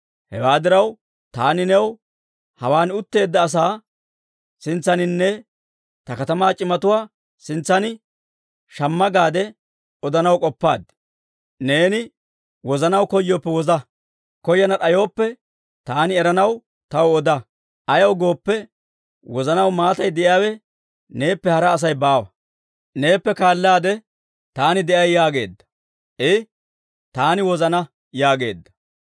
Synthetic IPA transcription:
hɛ̰waːd̪ɪɾɐw | t̪aːnɪnɛw | hɐwaːnʊt̪ːe̞ːd̪ːɐːs̬aː | sɪnt͡sːɐnɪnːɛ | t̪ɐkɐt̪ɐmaːt͡ʃʼɪmɐt̪ʊwaː | sɪnt͡sːɐnɪ | ʃɐmːɐɡaːd̪ɛ | ɔd̪ɐnɐwkʼɔpːaːd̪ | ne̞ːnɪ | wɔzɐnɐwkɔjːoːpːɛwɔzɐ | kɔjːɐnɐᶑɐjo̞ːpːɛ | t̪aːnɪɛɾɐnɐw | t̪ɐwɔd̪ɐ | ʔɐjɐwɡo̞ːpːɛ | wɔzɐnɐwmaːt̪ɐjd̪ɛʔɪjaːwɛ | ne̞ːpːɛhɐɾɐːs̬ɐjbaːwɐ | ne̞ːpːɛkaːlːaːd̪ɛ | t̪aːnɪd̪ɛʔɐjːaːɡe̞̰ːd̪ːɐ̥ | ʔɪ | t̪aːnɪwɔzɐnɐ | jaːɡe̞̰ːd̪ːɐ

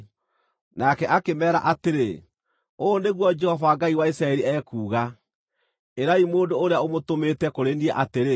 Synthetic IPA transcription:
nakɛʔakemɛːɾa̰ʔateɾe | oːneɣwɔd͡ʒɛhɔvawaɡaiwaisɾaɛɾiɛːkuːɣa | eɾaimoːndoːɾeaomotometɛkoɾeniɛʔateɾe

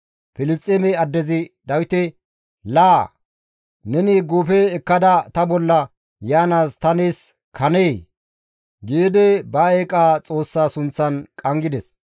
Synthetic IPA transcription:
pɪlɪst͡sʼːɛmɛɐd̪ːɛzɪd̪ɐwɪt̪ɛ | laː | nɛnɪɡoːfɛɛkːɐd̪ɐt̪ɐbɔlːɐ | jaːnaːst̪ɐneːs | kʰɐneː | ɡeːd̪ɛbɐeːkʼaːt͡sʼo̞ːsːaːsʊnt͡sːɐnkʼɐŋɡɪd̪ɛs

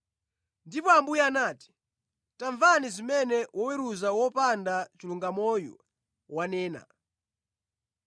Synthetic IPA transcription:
ndipɔambujaːnaːti̥ | taɱvanizimɛnɛwɔwɛɾuzawɔpandat͡ʃiluŋɡamɔjṵ | wanɛːna̰

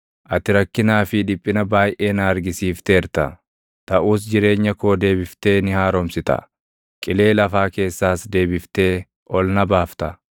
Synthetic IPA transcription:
ʔɐt̪ɪɾɐkːɪnaːfɪᶑɪpʼːɪnɐbaːjʔe̞ːnaːɐɾɡɪsiːft̪eːɾt̪ɐ̰ | t̪ɐʔuːsd͡ʒɪɾe̞ːɲːɐko̞ːd̪e̞ːbɪft̪e̞ːnɪhaːɾɔmsɪt̪ɐ̰ | kʼɪle̞ːlɐfaːke̞ːsːaːsd̪e̞ːbɪft̪e̞ː | ʔɔlnɐbaːft̪ɐ

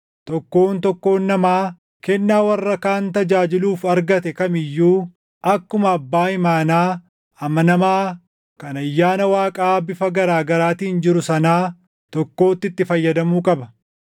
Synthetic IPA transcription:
t̪ɔkːo̞ːnt̪ɔkːo̞ːnːɐmaː | kɛnːaːwɐrːɐkaːnt̪ɐd͡ʒaːd͡ʒɪluːfɐɾɡɐt̪ɛkɐmɪjːuː | ɐkːʊmɐːbːaːhɪmaːnaː | ɐmɐnɐmaː | kɐnɐjːaːnɐwaːkʼaːbɪfɐɡɐɾaːɡɐɾaːt̪iːnd͡ʒɪɾʊsɐnaː | t̪ɔkːo̞ːt̪ːɪt̪ːɪfɐjːɐd̪ɐmuːkʼɐbɐ

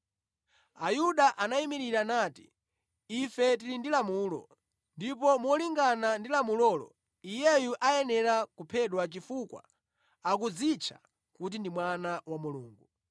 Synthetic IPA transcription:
ajuɗaʔanaimiɾiɾanaːtiː | fɛt̬ilindilamuːlɔ̰ | ndipɔmɔliŋɡanandilamulɔːlɔ̰ | ijɛjuʔajɛnɛɾakupʰɛɗwat͡ʃifukwa̰ | akud͡zit͡ʃʰḁ̰ | kut̬indimwanawamuluːŋɡu

